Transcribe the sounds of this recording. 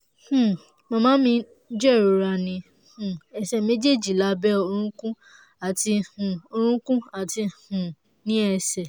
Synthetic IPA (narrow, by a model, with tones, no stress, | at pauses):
hũ˦˨ | mɔ̃˧mãː˦mĩ˧˦ | d͡ʒɛ˦˨ɾo˧ɾa˧nĩ˧ | hũ˨ɛ˨sɛ˨me˦d͡ʒe˦˨d͡ʒi˨la˦bɛ˦o˧ɾ̃ũ˦kũ˦ | a˨ti˧ũ˨o˧ɾ̃ũ˦kũ˦a˨ti˧hũ˨ | nĩ˦ɛ˧sɛ˨